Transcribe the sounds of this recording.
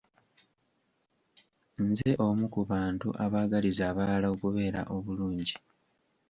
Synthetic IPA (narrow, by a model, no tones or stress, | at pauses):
nze̞ʔo̞mukuβaːntṵʔaβaːɡalizaːβaːlaokuβe̞ːɾa̰ʔo̞βuluːɲɟi